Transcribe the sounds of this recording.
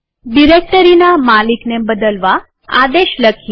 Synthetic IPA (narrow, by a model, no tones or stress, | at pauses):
ɖiɾek̚ʈəɾinamaliknebəd̪əlʋa | a̰d̪eʃləkʰ